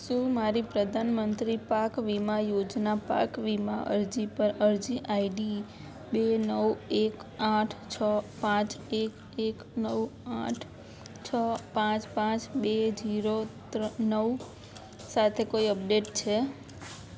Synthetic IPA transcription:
ʃũmaɾipɾəd̪ʱanmənt̪ɾipakʋimajod͡ʒnapa̰kʋimaʔə̰ɾd͡ʒipəɾəɾd͡ʒiʔaiɖi | benəwekaʈʰt͡ʃʰəpãt͡ʃek | ek | nəwaʈʰ | t͡ʃʰəpãt͡ʃpãt͡ʃbed͡ʒiɾot̪nəw | sat̪ʰekoiəp̚ɖeʈt͡ʃʰe

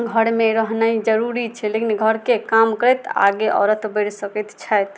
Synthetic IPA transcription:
ɡʱəɾmẽɾəɦnaid͡ʒəɾuɾit͡ʃʰɛlekinɡʱəɾkekamkəɾɛt̪a̰ɡeʔɔ̰ɾət̪beɽsəkɛt̪t͡ʃʰajt̪

